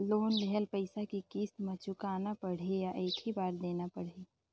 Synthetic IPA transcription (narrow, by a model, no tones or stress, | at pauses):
loːnlɛɦəlpəɪsakikiːst̪mẽt͡ʃʊkaːnapɐɽ̤ejaʔeːkʰɦibaːɾd̪eːnapɐɽ̤eː